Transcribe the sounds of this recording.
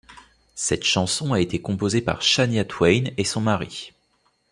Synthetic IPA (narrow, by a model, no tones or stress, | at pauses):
sɛt̪ʃɑ̃sɔ̃aet̪ekɔ̃pozepa̰ʁʃanjat̪ʰwɛjnesɔ̃maʁi